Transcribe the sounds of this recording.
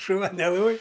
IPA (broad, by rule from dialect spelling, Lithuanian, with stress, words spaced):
ʃʊˈʋɐ nʲɛˈlˠoːj